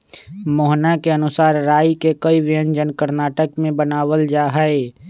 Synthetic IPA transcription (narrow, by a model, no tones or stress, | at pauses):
moːɦnakeənʊsaːɾɾaːjkekəiʋɪjə̃ɲd͡ʒənkəɾnaːʈəkmẽbənaːwəld͡ʒaːɦɛe